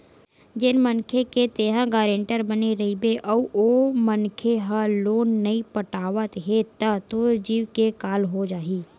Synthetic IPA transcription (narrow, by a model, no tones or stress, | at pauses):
d͡ʒɪnmənkʰeket̪eːɦãɡaːɾẽːɳʈəɾbəneɾɐɦibeʔɔːomənkʰeɦãloːnːɐĩpəʈaːʋət̪ɦet̪ət̪od͡ʒiːʋkekaːlɦod͡ʒaːɦiː